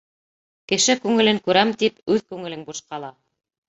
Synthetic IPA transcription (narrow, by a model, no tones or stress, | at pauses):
kɘ̆ʃɘkʉŋɘ̆lɘŋkʉɾæmt̪ipʉðkʉŋɘ̆lɘŋbuʃqɑlˠɑ